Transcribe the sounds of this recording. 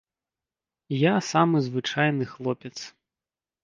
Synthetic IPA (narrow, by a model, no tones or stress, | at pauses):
jasamɨzvɨt͡ʂajnɨxlˠɔpʲɛt̪s